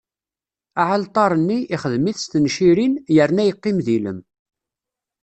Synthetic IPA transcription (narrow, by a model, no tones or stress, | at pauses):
aʕəlt̪ˤɑɾˤənːiʔːχəðmiθst̪nʃiɾinjəɾnæjəqːɪmðilə̰m